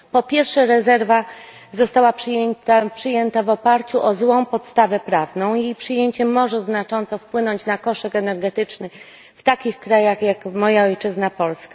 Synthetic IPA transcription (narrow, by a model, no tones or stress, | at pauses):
pɔpʲjɛɾfʂɛɾɛzɛɾva | zɔst̪awapʂjɛnt̪apʂɘjɛnt̪avɔpaɾt͡ɕuʔɔzwɔ̃w̃pɔt̪st̪avɛpɾavnɔ̃w̃jejpʂɘjeɲt͡ɕɛmɔʐɛznat͡ʂɔnt̪sɔfpwɘnɔɲt͡ɕnakɔʂɛkɛnɛɾɡɛt̪ɘt͡ʂnɘ | ft̪akʲixkɾajaxjakmɔjaɔjt͡ʂɘznapɔlska